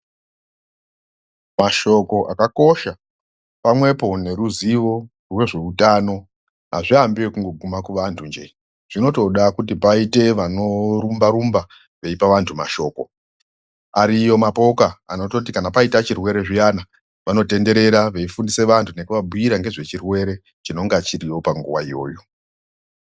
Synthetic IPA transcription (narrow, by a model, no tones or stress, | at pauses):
maʃo̞ko̞ʔakako̞ʃa | pamwe̞po̞ne̞ɾuziʋo̞ | rwe̞ʐe̞utano̞ | ɦa̰ʐiambiwekuŋɡo̞ɡʱumakuʋantʰund͡ʒe | ʐ̥ino̞to̞ɗakut̬ipaite̞ʋano̞ɾumbaɾumba | ʋe̞ipaʋantʰuma̰ʃo̞ːko̞̰ | aɾijo̞mapo̞kaa̰notot̬ikanapaitat͡ʃirwe̞ɾe̞ʐijana | ʋano̞te̞nde̞ɾe̞ɾaʋe̞ifundise̞ʋantʰune̞kuʋabujiɾaŋɡe̞ʐe̞t͡ʃirwe̞ɾe̞ | t͡ʃino̞ŋɡat͡ʃiɾio̞paŋɡuwaijo̞̰ːjo̞